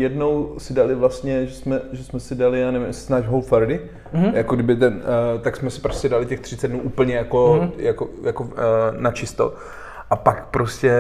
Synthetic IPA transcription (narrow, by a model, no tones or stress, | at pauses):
jɛdno̞wsɪdalɪvlast̪ɲɛʒɛsmɛʒɛsmɛsɪdalɪjaːnɛvɪmjssnaːʒɦowlfɛɾdɪ | jakoɡdɪbɪt̪ɛnt̪aksmɛsɪ̥pɾostcʲɛdalɪcɛxt̪r̥ɪt͡sɛd̚nuːʔuːpl̩ɲɛjakojakojakonat͡ʃɪst̪o̰ | ʔapakpɾoscɛ